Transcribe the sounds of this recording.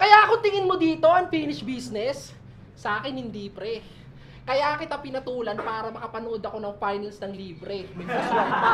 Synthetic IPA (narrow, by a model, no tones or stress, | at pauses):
kɐjaʔɐko̞t̪ɪŋɪnmod̪iːt̪o̞ʔɐŋfiːnɪʃbiːsnɛsː | ɐʔaːkɪnhɪnd̪iːpɾɛ | kɐjakɪt̪apɪnɐt̪uːlɐnpaːɾɐmɐkɐpɐnod̪ɐko̞nɐŋfajnɐlsnɐŋliːbɾɛmɪluso